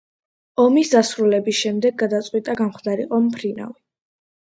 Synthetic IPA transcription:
ɔmisd̪asɾulɛbisʃɛmd̪ɛɡ̚ːad̪at̪sʼqʼwit̪ʼaɡamχd̪aɾiqʼɔmpʰɾina̰vi

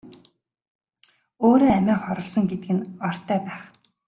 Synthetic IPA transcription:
oːɾoːæmæːχɔɾɞ̆ɮsɞ̆ŋɡet̪ɘɡɘ̆nɔr̥t̪œːpæːχ

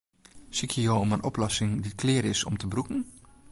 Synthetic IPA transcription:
sikʰjəjoːomənʔoplɔsɪŋdit̚kʰlɪəɾɪsɔ̰mtʰəbrukn̩

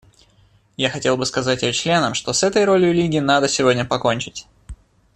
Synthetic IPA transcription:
jaxɐtʲe̞lˠbɨskɐzatʲt͡ɕlʲe̞nəmʂt̪o̞sɛt̪əjɾo̞lʲjʊlʲiɡʲɪnad̪əsʲɪvo̞dʲnʲəpɐko̞nʲt͡ɕɪtʲ

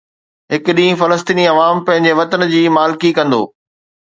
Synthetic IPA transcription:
ɦɪkʊɗĩːĩfɐləst̪iːniɐʋaːmpɐ̃ɦɪ̃ɲd͡ʑeʋɐt̪ənd͡ʑiːmaːlkikɐ̃nd̪o̰ː

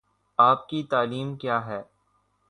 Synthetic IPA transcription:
aːp̚kit̪aːliːmkjaːɦɛː

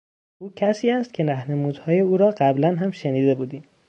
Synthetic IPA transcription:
ʔuːcʰæsiːæst̪̚cʰe̞næhne̞muːd̪hɒːje̞uːɾɒːɢæblænɦæmʃeniːd̪e̞buːd̪iːm

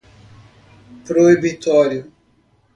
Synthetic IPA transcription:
pɾoibit̪ɔɾjʊ

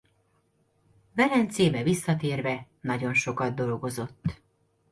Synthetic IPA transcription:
vɛlɛnt̪seːbɛvisːɒt̪eːrvɛ | nɒɟo̞nʃo̞kɒd̪̚d̪o̞lɡo̞zo̞t̪ː

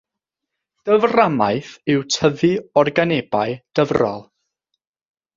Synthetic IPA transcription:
d̥əvramajθɪwtʰəðɨɔrɡaneb̥ajd̥əvrɔ̰lˠ

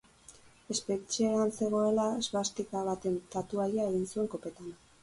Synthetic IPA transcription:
e̞spe̞t͡ʃieɾanse̞ɣ̞o̞e̞laezβast̪ikaβat̪e̞nt̪at̪uajae̞ɣ̞insue̞ŋko̞pe̞t̪an

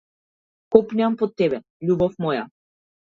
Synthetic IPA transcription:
kɔpniampɔt̪ːɛbɛ | ʎubɔfmɔja̰

